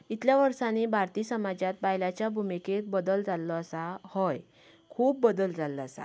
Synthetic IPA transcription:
it̪ljaʋəɾsanebʱaɾt̪iːsəmad͡ʑat̪̚bajlat͡ɕjabʱumiket̪̚bəd̪əld͡zalːɔəsahɔj | kʰuːb̚ːəd̪əld͡zalɔəsa̰

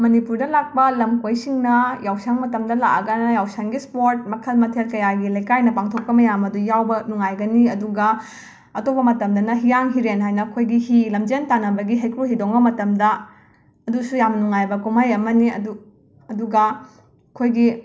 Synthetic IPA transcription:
mɐnipuɾdɐlak̚pɐlɐmkojsiŋnɐjawsaŋmɐtɐmdɐla̰ʔɐ̰ɡɐnɐjawsaŋɡispoɾt̚mɐkʰɐlmɐtʰelkɐjaɡilɐjkajnɐpaŋtʰok̚pɐmɐjamɐdujawbɐnuŋajɡɐniɐduɡɐ | ɐtopɐmɐtɐmdɐnɐɦijaŋɦiɾenɦajnɐkʰojɡiɦilɐmd͡ʒentanɐbɐɡiɦajkɾuɦidoŋbɐmɐtɐmdɐ | ɐdusujamnuŋajbɐkumajɐmɐniɐ̰du | ɐduɡɐ | kʰojɡi

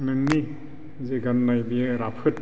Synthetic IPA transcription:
nɯŋni | zeɡanːajbijeɾapʰɯt̚

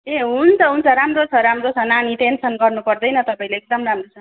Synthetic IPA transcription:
eɦunt͡sʌɦunt͡sʰʌɾamrot͡sʰʌɾamrot͡sʰʌnaniʈensʌnɡʌrnupʌrd̪ʌjnʌt̪ʌpaĩleek̚d̪ʌmramrot͡sʰʌn

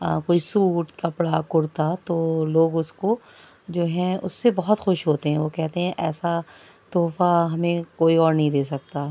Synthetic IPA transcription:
koːisuːʈkɐpɽakʊɽt̪at̪oːloːɡʊsko | d͡ʒoːɦɛ̃ʊ̰sːebɐɦɔt̪xʊʃɦoːt̪eɦɛ̃ʋoːkɛɦt̪eɦɛ̃ʔɛːsa | t̪oːfaɦɐmẽkoːiɔːɾnɐɦĩd̪eːsɐk̚t̪aː

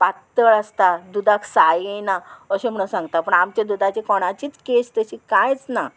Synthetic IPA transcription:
pat̪ːəɭəst̪ad̪ud̪aksajenaəɕẽm̤əɽsãŋɡt̪apəɳamt͡ɕed̪ud̪at͡ɕekɔɽ̃at͡ɕiːt͡skest̪əɕiːkãjt͡sna

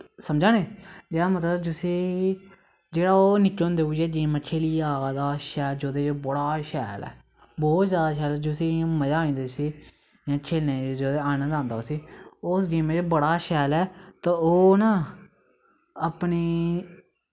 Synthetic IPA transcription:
səmd͡ʒãːneːd͡ʒeːɽaːmət̪ləbd͡ʒʊseː | d͡ʒeːɽaːoːnɪkõːnd̪eːuːd͡ʒeːd͡ʒiːmət͡ʃʰeːliːaːd̪aːʃɛːld͡ʒoːd̪eːd͡ʒoːbəɽaːʃɛːlɛ̰ː | bɔːt̪zjaːd̪aːʃɛːlɛːd͡ʒʊsĩːməd͡ʒaːĩːnd̪eːsiː | jãːt͡ʃʰeːlẽːeːd͡ʒoːd̪eːaːnə̃d̪ãːnd̪aoːsiːosd͡ʒiːmẽd͡ʒobəɽaːʃɛːlɛːt̪ãoːnãː | əpniː

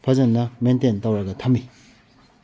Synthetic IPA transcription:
pʰad͡ʑannament̪ent̪awakət̪ʰami

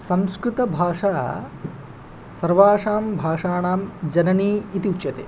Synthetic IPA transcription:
sɐmskɾut̪ɐbʱaːʂaː | sɐɾʋaːʂaːmbʱaːʂaːɳaːmd͡ʒɐnɐniːit̪iut͡ʃjɐt̪eː

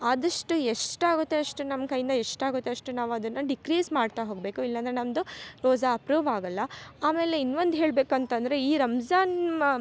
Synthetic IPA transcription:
ɐd̪ɐʂʈueʂʈaːɡut̪ːe̞ɐʂʈunɐmkɐjind̪ɐeʂʈaːɡut̪ːeɐʂʈunaːʋuɐd̪ɐnːɐɖikɾiːsmaːɖt̪aɦo̞ːɡbe̞ːkuilːɐnd̪ɐɾenɐmd̪uɾoːd͡ʒaɐpɾuːʋaːɡɐlːɐaːme̞ːle̞inːʋond̪ɦe̞ːɭbe̞ːkuɐnt̪ɐnd̪ɐɾe̞iːɾɐmd͡ʒaːn

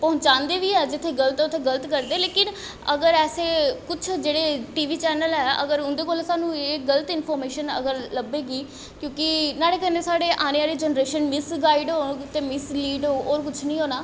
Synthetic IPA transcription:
pəɦʊ̃t͡ʃãːnd̪eːʋiːɛːd͡ʒɪt̪ʰːeːɡələt̪ʊt̪ʰːeːɡələt̪kəɾd̪eːleːkɪn | əɡəɾɛːseːkʊt͡ʃʰd͡ʒeːɽeːʈiːʋiːt͡ʃɛːnəlɦɛːə̰ɡəɾʊnd̪eːkoːlsaːnũːeːɡələt̪ɪnpʰɔːɾmeːʃənə̰ɡəɾləbeːɡiː | kjõːkɪnaːɽeːkə̃nd̪eːsaːɖeːʔaːneːaːɾeːd͡ʒənɾeːʃənmɪsɡaːɪɖɦoːt̪eːmɪsliːɖɦoːɦoːɾkʊt͡ʃʰnĩːɦoːnaː

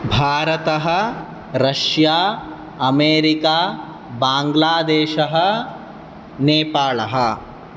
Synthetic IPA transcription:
bʱaːɾɐt̪ɐɦɐ̆ | ɾɐʃjaː | ɐmeːɾɪkaː | bãːŋɡlaːd̪eːʃɐɦɐ̆ | neːpaːlɐɦɐ̆

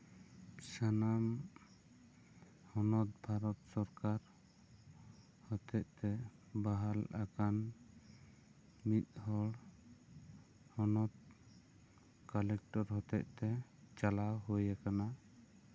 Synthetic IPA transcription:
sanam | hɔnɔt̪̚bʱaɾɔt̪sɔɾkaɾ | hɔt̪ɛtʔ̚t̪ɛbaɦalakan | mit̪̚hɔɽ | hɔnɔt̪̚ | kalɛk̚ʈɔɾhɔt̪ɛʔ̚t̪ɛt͡ʃalawɦujakana

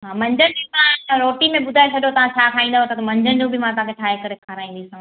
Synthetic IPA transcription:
ɦaːmɐ̃ɲd͡ʑənɪd͡ʑimãɾoːʈimẽɓʊd̪ʱaet͡ɕʰɐɗjot̪ɐʋ̤ãt͡ɕʰaːkʰaːĩːnd̪aɦot̪ɐt̪ɐmɐ̃ɲd͡ʑənɪd͡ʑũbʱɪmãt̪ɐ̃ãkʰeʈʰaːɦekɐɾekʰaːɾaːĩːnd̪isɐ̃

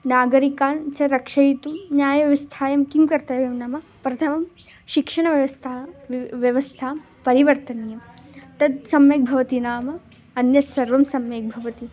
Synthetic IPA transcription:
naːɡɐɾikaːnt͡ʃɐɾɐkʂɐjt̪unjaːjɐʋʋɐst̪ʰaːjɐmkimkɐɾt̪ɐːʋjɐmnɐmɐpɾɐt̪ʰɐmɐm | ʃikʂɐɳɐʋjɐʋɐst̪ʰaʋjɐʋɐst̪ʰaːm | pɐɾiʋɐɾt̪ɐnjɐmt̪ɐd̪sɐmjeːk̚bʱɐʋɐt̪inaːmɐ | ɐnjɐsʋɐɾʋɐmsɐmjeːk̚bʱɐʋɐt̪i

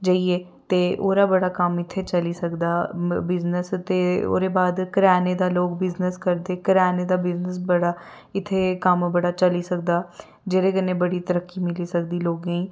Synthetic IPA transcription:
d͡ʒaieː | t̪eːʔoːɾaːbəɽaːkəmɪt̪ʰːeːt͡ʃəliːsəkd̪aːbɪznəst̪eːo̰ːɾeːbaːd̪kəɾɛːneːd̪aːloːɡbɪznəskəɾd̪eːkəɾɛːneːd̪aːbɪznəs̬bəɽaː | ɪt̪ʰːeːkəmbəɽaːt͡ʃəliːsək̚d̪aː | d͡ʒeːɾeːɡənẽːbəɽiːt̪əɾəkːiːmɪliːsək̚d̪iːloːɡẽĩː

